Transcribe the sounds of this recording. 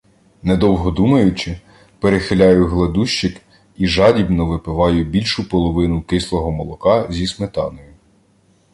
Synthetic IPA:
ned̪ɔwɦɔd̪umɐjʊt͡ʃɪ | peɾexɪlʲɑjʊɦlˠed̪uʃt͡ʃɪk | iʒɑdʲibnɔʋɪpɪʋɑjʊbʲilʲʃʊpɔlˠɔʋɪnʊkɪslˠɔɦɔmɔlˠɔkɑzʲismet̪ɑ̰nɔjʊ

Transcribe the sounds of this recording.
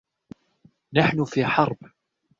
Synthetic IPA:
naħnʊfiːħɑɾˤb

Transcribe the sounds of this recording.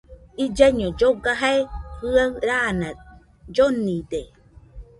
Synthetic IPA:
id͡ʒaɲod͡ʒoɡaɦaehɨaɾanã | d͡ʒonĩd̪e

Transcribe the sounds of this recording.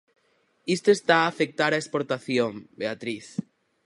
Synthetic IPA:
ist̪oest̪aːfek̚t̪aɾaespoɾt̪aθjombeat̪ɾiθ

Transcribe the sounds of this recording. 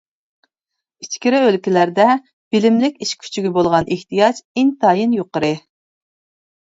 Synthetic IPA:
it͡ʃkʲiɾɪølkʲilæɾd̪ɛ | b̥ɪlɪmlɪkʲiʃkʲʰy̥t͡ʃʰiɡʲibolˠʁɑnʔeht̪ijɑt͡ʃɪŋt̪ʰɑːjinjoqəɾɨ

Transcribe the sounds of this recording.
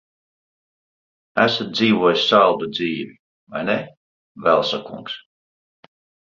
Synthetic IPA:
æsat̪̚d̪ziːvuɔjsʲsalˠd̪ud̪ziːvʲi | va̰jnɛ | vɛlˠsakuŋks

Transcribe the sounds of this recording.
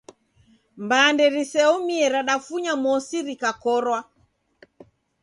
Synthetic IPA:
mbandɛɾisɛɔmiɛɾaɗafuɲamɔsiɾikakɔɾwa

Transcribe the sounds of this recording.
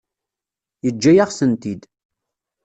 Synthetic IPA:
jəd͡ʒːæjaʁsənt̪id̪

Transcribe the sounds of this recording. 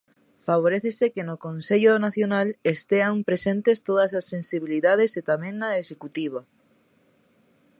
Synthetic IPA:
faβ̞oɾeθesekenokonseʎonaθjonalest̪eampɾesent̪est̪oðɐsasːensiβ̞iliðað̞eset̪amẽŋnaesekut̪iβ̞a

